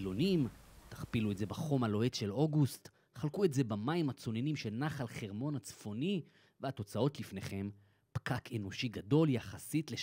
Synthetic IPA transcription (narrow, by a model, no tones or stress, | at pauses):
lo̞nimtḁχpilue̞tze̞baχo̞malo̞etʃelo̞ɡust̪ | χalkue̞tze̞bamaimat͡so̞nenimʃelnaχalχeʁmo̞nat͡sfo̞ni | veat̪o̞t͡sao̞tlifne̞χe̞m | pkakʰe̞no̞ʃiɡado̞ljaχasitle